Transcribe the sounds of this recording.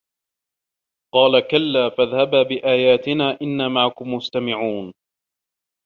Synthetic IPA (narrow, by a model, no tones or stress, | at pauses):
qɑːlakalːaːfaðhabaːbɪʔaːjaːt̪ɪnaːʔɪnːaːmaʕakʊmmʊst̪amɪʕuːn